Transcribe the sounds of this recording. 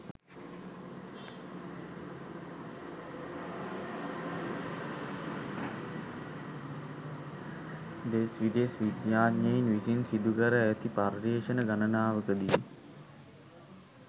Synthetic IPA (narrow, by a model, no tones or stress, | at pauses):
d̪esʋid̪esʋid̪jaːɲjəinʋisinsid̪ukəɾəæt̪iparɾeːʃənəɡanənaːʋəkəd̪i